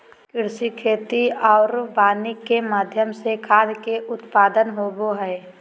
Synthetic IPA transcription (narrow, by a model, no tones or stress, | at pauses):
kɪɾsikʰeːt̪iɔːɾbaːnɪkːemaːd̪ʱjəmsekʰaːd̪keʔʊt̪paːd̪ənɦoːboɦɛː